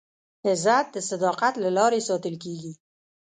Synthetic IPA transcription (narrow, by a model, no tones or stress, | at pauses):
ɪzat̪̚d̪əsad̪ɑqat̪lalɑɾesɑt̪əlkeɡi